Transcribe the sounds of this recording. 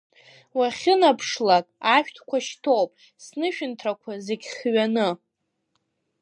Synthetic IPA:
waχʲɪnapʰʂlakʼaʃᶣtʰkʷʰaʃtʰo̞wpʼ | snɨʃᶣʊntʰrakʷʰazeɡʲχɥanɨ

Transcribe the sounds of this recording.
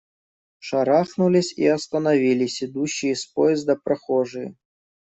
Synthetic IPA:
ʂɐɾaxnulʲɪsʲḭɐst̪ənɐvʲilʲɪsʲɪd̪uɕːɪjəspojɪzd̪əpɾɐxoʐɨjə̰

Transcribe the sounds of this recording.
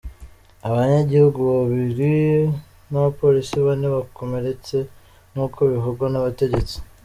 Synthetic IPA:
aβaɲaɟihuɡuβaβiɾi | naβapo̞ɾisiβoneβakʰo̞me̞ɾe̞t͡se̞ | n̥huːkʰoiβiɦuɾɡwanaβate̞ɟe̞t͡si̥

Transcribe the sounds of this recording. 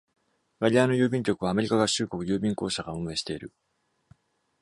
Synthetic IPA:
ɡaɾʲiano̞jɯ̟ːbʲĩŋkʲo̞kɯβ̞aːme̞ɾʲikaɡaɕɨːko̞kɯ̟jɯːbʲĩŋko̞ːɕaɡaõmɯe̞ɕi̥t̪e̞iɾɯ̟̰

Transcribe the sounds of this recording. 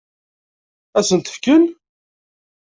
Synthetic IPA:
æsənt̪ə̥fkən

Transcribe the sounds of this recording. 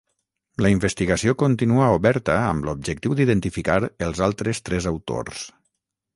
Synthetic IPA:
ləiɱbəst̪iɣəsiokont̪inuauβɛɾt̪əəmlub̚d͡ʒək̚t̪iwd̪iðənt̪ifikaɾəlˠzalˠt̪ɾəst̪ɾɛzəwt̪o̰rs

